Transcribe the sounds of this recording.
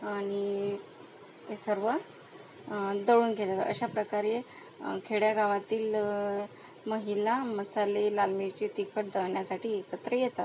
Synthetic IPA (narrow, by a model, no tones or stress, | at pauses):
aɽ̃i | esəɾʋə | d̪əɭuːnɡʱelat̪ə̰ɕapɾəkaɾe | kʰeɽjaɡʱaʋat̪iːl | məɦilaməsalelalmit͡ɕet̪ikʰəʈ̚d̪əɳjasaʈʰiːet̪ət̪ɾəjet̪at̪